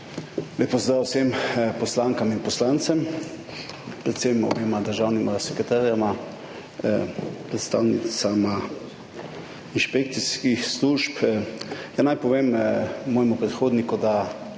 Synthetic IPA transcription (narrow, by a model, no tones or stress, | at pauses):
lʲeːpɔzd̪ɾaːwsempɔslaːŋkaminpɔslant̪sɛm | pɾɛt̪semɔ̰beːmad̪əɾʒaːwnimasɛkɾɛt̪aːɾjama | pɾɛt̪st̪a̰ːwnit̪sama | inʃpek̚t̪siskixsluʃp | janajpɔʋeːmmɔːjɛmupɾɛt̪xoːd̪nikud̪a